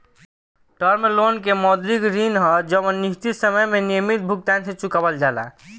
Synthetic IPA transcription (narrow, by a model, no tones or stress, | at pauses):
ʈəɾmelonkemɔd̪ɾikɾinɦɔd͡ʒəmənːist̪isəməjmenijəmit̪̚bʱuk̚t̪ant̪ʰet͡ʃukəbəld͡ʒala̰